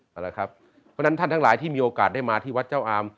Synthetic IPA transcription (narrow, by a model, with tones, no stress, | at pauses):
ʔa˧˩la˦˩kʰɾa˦˥p̚ | pʰɔ˦˥˩na˦˥nt̪ʰa˥˩nt̪ʰŋlaː˩˦jt̪ʰiː˥˩miː˧ʔoː˧kaː˨˩da˥˩jmaː˧t̪ʰiː˥˩wa˦˥t̪̚t͡ɕa˥˩wʔaː˧m